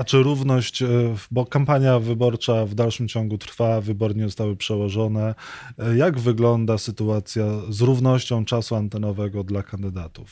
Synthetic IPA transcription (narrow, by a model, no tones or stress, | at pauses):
at͡ʂɘɾuvnɔɕt͡ɕbɔkampaɲjavɘbɔɾt͡ʂavd̪alʂɘmt͡ɕɔŋɡut̪ɾfavɘbɔɾɲɛzɔst̪awɘpʂɛwɔʐɔnɛjaɡvɘɡlɔnd̪asɘt̪uat̪sʲjazɾuvnɔɕt͡ɕɔ̃w̃t͡ʂasuant̪ɛnɔvɛɡɔd̪lakand̪ɘd̪at̪uf